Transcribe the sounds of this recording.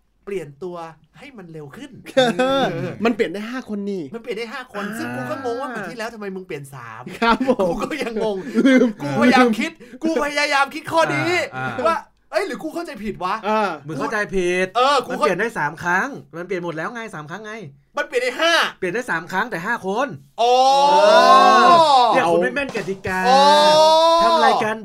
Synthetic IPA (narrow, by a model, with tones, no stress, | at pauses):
pli˨˩ənt̪u˧ɐ | ha˥˩jma˧nɾe˧wkʰɯ˥˩n˧ɤː˧ma˧npləndaː˥˩jɦaː˥˩kʰo˧nːiː˧˩ma˧npli˨˩ənda˥˩ɦaː˥˩kʰo˧nsɯ˥˩ŋkuː˧kʰɔː˥˩moː˧ŋwaː˥˩a˨˩t̪ʰiː˥˩lɛː˦˥wt̪ʰa˧ma˧jmɯ˧npli˨˩ənsa̰ː˩˦mkʰɾa˦˥p̚ʰkuː˦˧kɔː˥˩ja˧ŋːo˧ŋː˧kuː˧pʰa˧jaː˧kʰi˦˥t̪̚kuː˧pʰa˧ja˧jaː˧jaː˧mkʰi˦˥t̪̚kʰɔː˥˩di˧˩ʔwaː˥˩ | ʔɤ˦˥jɾɯː˩˦kuː˧kʰa˥˩wt͡ɕa˧jpʰi˨˩t̪̚wa˦˥ʔaː˧˩mɯ˧˦kʰa˥˩wt͡ɕa˧jpʰi˨˩t̪̚ɤː˧kuː˧a˧a˩i˨˩əndaː˥˩jsaː˩˦mkʰɾa˦˥ŋma˧np̬i˨˩ənmo˨˩t̪̚lɛː˦˥wŋa˧jsaː˨˩˦mkʰa˦˥ŋːa˧j | ma˧npi˨˩nda˧˩ɦaː˥˩pi˨˩ndaː˥˩saː˩˦mkʰɾa˦˥ŋt̪ɛː˨˩ɦaː˥˩kʰo˧nʔɔː˨˧˩ | ɛ˥˩˨kma˥˩mɛ˥˩nka˨˩t̪ːi˧kaː˧ | a˧la˧˩ka˧n